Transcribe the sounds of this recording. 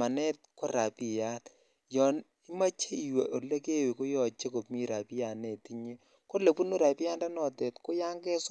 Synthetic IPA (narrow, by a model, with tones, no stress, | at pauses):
a˨nɛ˦t̚ko˦ɾa˨pi˨ja˦t | jɔ˨n | i˦ma˦t͡ʃe˦i˨we˨o˨le˦ke˦˨we˨ko˦jɔ˨t͡ʃe˦ko˨pmi˦ɾa˨pi˦ja˨ne˨ti˦ɲe˦ | ko˦le˨pu˦nu˦ɾa˨pi˦ja˦nda˦nɔ˨tɛ˨tko˦ja˦ŋɡɛ˦s